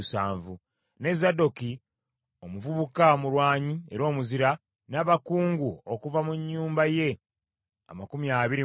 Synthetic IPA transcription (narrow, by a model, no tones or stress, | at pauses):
saːɱvu | ne̞zado̞ki | o̞muvuβukamuɾwaːɲie̞ɾo̞ːmuziɾa | naβakuːŋɡuokuvamuɲːuːmbaje̞ | a̰makumiaːβiɾi